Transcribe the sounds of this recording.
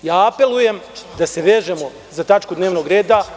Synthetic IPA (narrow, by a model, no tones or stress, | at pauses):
jaːape̞lˠuje̞md̪ase̞ʋeːʒemo | zat̪at͡ʃkud̪neːʋno̞ɡɾeːd̪a